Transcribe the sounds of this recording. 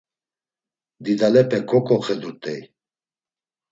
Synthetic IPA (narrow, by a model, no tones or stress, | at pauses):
d̪id̪alɛpʼɛkʰɔkʼɔχɛd̪ut̪ʼɛj